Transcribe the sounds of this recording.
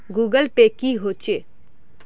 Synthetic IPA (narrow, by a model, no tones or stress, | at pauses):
ɡuːɡəlpekiɦot͡ʃeː